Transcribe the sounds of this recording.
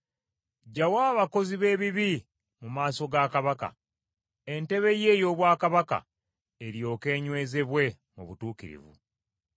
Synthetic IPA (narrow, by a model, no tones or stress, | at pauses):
ɟawaːβako̞ziβe̞ːβiβi | mumaːso̞ɡakaβaka̰ | e̞nte̞βe̞je̞ːjo̞ːβwaːkaβaka̰ | eɾjo̞ːke̞ːɲwe̞ːze̞βwe̞ | muβutuːkiɾḭvṵ